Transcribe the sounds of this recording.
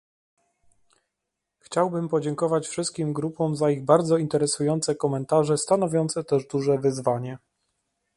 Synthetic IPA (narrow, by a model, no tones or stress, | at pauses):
xt͡ɕawbɘmpɔd͡ʑɛŋkɔvat͡ɕfʂɘst̪̚kʲimɡɾupɔ̃mzaiɣbaɾd̪zɔint̪ɛɾɛsujɔnt̪sɛkɔmɛnt̪aʐɛst̪anɔvʲjɔnt̪sɛt̪ɛʐd̪uʐɛvɘzvaɲɛ